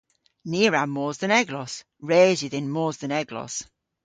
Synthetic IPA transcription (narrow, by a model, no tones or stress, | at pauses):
niːəɹamɔːzðənɛɡlɔs | ɹeːzɪðɪ̃nmɔːzðənɛɡlɔ̰s